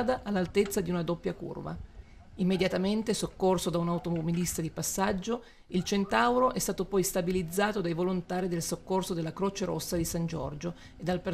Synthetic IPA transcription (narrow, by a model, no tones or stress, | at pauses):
d̪aʔːlːalt̪et̪sːad̪iunad̪opːjakṵrva̰ | imːed̪jat̪ament̪esokːorsod̪aunaut̪omobilist̪ad̪ipasːad͡ʒːo | ilt͡ʃent̪awɾoʔɛst̪aːt̪opɔjst̪abilid̪zːaːt̪od̪ajvolont̪aːɾid̪elsokːorsod̪elːakɾoːt͡ʃeɾo̰sːad̪isand͡ʒɔ̰rd͡ʒo | ed̪ːalpe